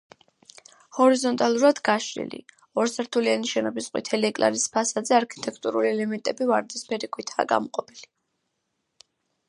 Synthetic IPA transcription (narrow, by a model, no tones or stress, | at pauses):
hɔɾizɔnt̪ʼalˠuɾad̪̥ɡaʃɾḭlḭ | ɔɾsaɾt̪ʰulianiʃɛnɔbisqʼwḭt̪ʰɛliɛkʼla̰ɾispʰasad̪zɛaɾkʰi̥t̪ʼɛkʰt̪ʼuɾuliɛlɛmɛnt̪ʼɛbivaɾd̪ɛspʰɛɾikʰwit̪ʰaːɡa̰mɔqʼɔpʰili